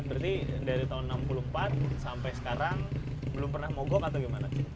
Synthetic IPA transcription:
bərt̪idaɾit̪aʊnːampulumpat̪̚sampajsə̥kaɾaŋbəlʊmpərnahmɔɡɔkat̪aɡimanat͡ʃɪ

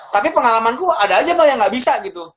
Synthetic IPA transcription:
t̪apipəŋalamankuadaːd͡ʒabajaŋɡaʔbisaɡit̪u

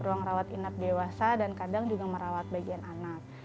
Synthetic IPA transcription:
ɾuaŋrawat̪inap̚dewasadankadaŋd͡ʒuɡaməɾawat̪̚baɡiananak̚

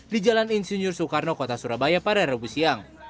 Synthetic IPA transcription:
did͡ʒalaninsiɲʊrsukarnɔkɔt̪asuɾabajapaɾaɾabusiaŋ

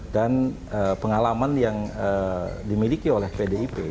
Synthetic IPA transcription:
dan | əpəŋalamanjaŋədimilikiolɛhpedeipe

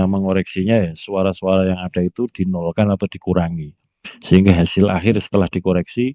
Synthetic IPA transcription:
amaŋoɾɛksiɲajasuaɾasuaɾajaŋaɖ̥a̤it̪ud̥i̤nɔlkanat̪ad̥i̤kuɾaŋi | səiŋɡaɦasɪla̰hɪrsə̥t̪əlahd̥i̤koɾɛksi

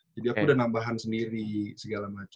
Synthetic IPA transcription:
d͡ʒadiakudahnambaɦansəndiɾisəɡalamat͡ʃ

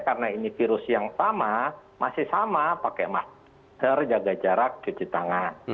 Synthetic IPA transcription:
karnainifiɾʊsjaŋsamamasɪhsamapakɛma | hərd͡ʒaɡad͡ʒaɾakt͡ʃət͡ʃit̪aŋan

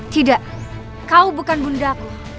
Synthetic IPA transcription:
t̪idaʔ | kaubukanbundaku

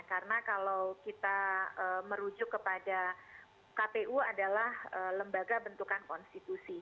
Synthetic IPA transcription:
kaɾənakalowkit̪aəməɾud͡ʒʊkːəpada | kapeʔuadalahələmbaɡabənt̪ukankɔnst̪it̪usi

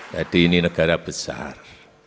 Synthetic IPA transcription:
d̪adiːninəɡaɾab̥əsa̰r

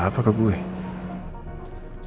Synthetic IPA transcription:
apʰakakue | s

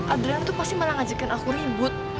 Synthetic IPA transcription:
ʔadlanit̪upasɪməlaŋad͡ʒakanakuɾibʊt̪̚

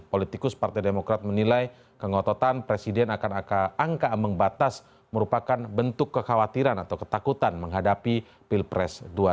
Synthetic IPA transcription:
polit̪ikʊspart̪ajdemokɾat̪̚mənilaj | kəŋot̪ot̪anpɾesidɛnakanakaːŋkaməŋbat̪as | məɾupakanbənt̪ʊkːəxawat̪iɾanat̪awkə̥t̪akut̪anməŋɦadapi | pilpɾɛ̰sdua

